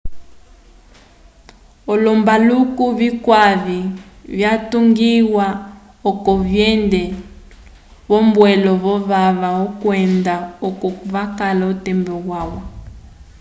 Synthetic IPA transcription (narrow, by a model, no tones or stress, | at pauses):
ɔlɔmbalukuβikwaβivjatuŋɡiwa | ɔkɔβjɛndɛ | βɔmbwɛlɔβɔβaβaɔkwɛndaɔkɔkuvakalautɛmbɛɣwawɔ